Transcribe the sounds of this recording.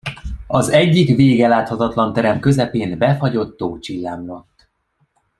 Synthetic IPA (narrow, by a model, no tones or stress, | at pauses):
ɒzɛɟːikveːɡɛlaːt̪hɒt̪ɒt̪lɒnt̪ɛɾɛmkø̞zɛpeːnbɛfɒɟo̞t̪ːoːt͡ʃilːaːmlo̞t̪ː